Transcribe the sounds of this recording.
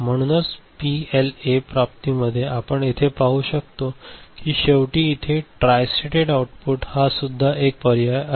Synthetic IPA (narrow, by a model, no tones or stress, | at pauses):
m̤əɽ̃uːnət͡spielepɾap̚t̪iməd̪ʱːjeapəɳit̪ʰepaɦuːɕək̚t̪okiːɕeʋʈiːt̪ʰeʈɾajsleʈeɽawuʈpuʈhasud̪ʱːaʔek̚pəɾja